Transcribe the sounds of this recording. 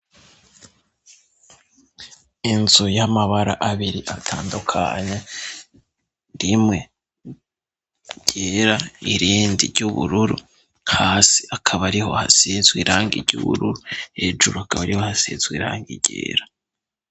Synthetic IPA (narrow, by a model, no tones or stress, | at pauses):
inzujamaβaɾaʔaβiɾiʔatʰaːndukʰa̰ɲe | ɾimŋe̞ | ɟ̥eɾaiɾiːndḭɾɟuβṵɾuɾṵ | haːsi̥akʰaβaɾiho̞̰ha̰sizɡwiɾaːŋɡḭɾɟṵβṵɾuɾuhe̞ːʒuɾuakaβaɾihohasḭzɡwḭɾa̰ːŋɡiɟ̥ḛːɾa